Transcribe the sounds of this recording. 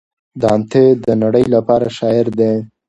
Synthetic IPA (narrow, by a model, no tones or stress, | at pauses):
d̪ɑːnt̪ed̪ənaɽəjlapɑɾaʃɑɪɾd̪e